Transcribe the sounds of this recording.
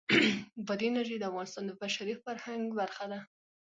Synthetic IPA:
bəd̪enaʒed̪əafɣɑnɪst̪ɑnd̪əbaʃaɾifaɾhaŋɡbaɾxad̪a

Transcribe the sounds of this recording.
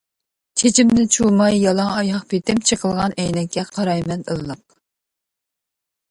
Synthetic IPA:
t̪ʰed͡ʒimnɪt͡ʃʰumɑjːɑlˠɑŋɑjɑχpʰet̪ɪmt͡ʃʰəqʰəlˠʁɑnɛjnɛkʲːɛqʰɑɾɑjmɛnəlˠːəq̚

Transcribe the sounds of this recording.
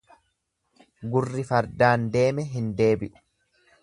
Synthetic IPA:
ɡʊrːɪfɐɾd̪aːnd̪e̞ːmɛɦɪnd̪e̞ːbɪʔʊ̥

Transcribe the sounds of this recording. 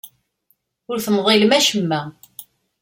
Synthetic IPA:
ʊɾθəmðˤilmæʃəmːæ

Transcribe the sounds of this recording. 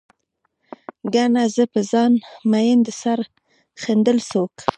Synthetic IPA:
ɡanazəpəzɑnmajɪnd̪əsaɾ | xend̪əlsok

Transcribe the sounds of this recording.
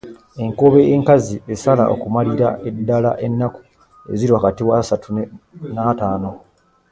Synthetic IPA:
e̞ŋkoβeːŋkazie̞sala̰ʔo̰kumaliɾa̰edːala̰ʔe̞nːaku̥ | e̞̰ziɾwaːkatiwasatʰunataːno̞

